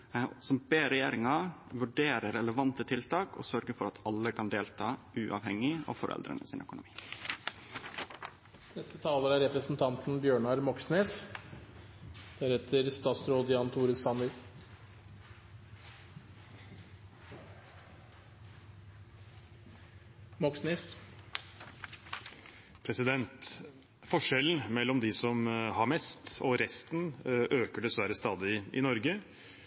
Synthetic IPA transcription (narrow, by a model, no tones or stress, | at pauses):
sɔmbeːɾɛjeːɾɪŋɑʋʉɖeːɾəɾɛləʋɑnt̪ət̪ʰɪlt̪ɑːkʰo̰ːsœɾɡəfɔɾɑt̪ʰɑlːəkʰɑnd̪eːlt̪ʰɑː | ʉːʔɑʋhɛŋɪo̰ːfɔɾʔɛ̰ld̪ɾə̰nʔəsɪnœ̰kʊnʊmiː | nɛst̪ət̪ʰɑːləɾæɾɛpɾəsn̩t̪ʰɑnt̪n̩bjøːɳɑɾmɔksneːs | d̪̥æɾhɛt̪ʰəɾst̪ɑːt̪sɾoːd̪əjɑnt̪ʰuːɾəsɑnɪ | mɔksneːs | pʰɾɛsɪd̪ɛnt̪ | fɔʂɛln̩mɛlːɔmd̪ɪsɔmhɑɾmɛst̪ɔɾɛst̪nʔøːkəɖɛsʋæɾəst̪ɑːd̪ɪɪ̰nɔɾɡə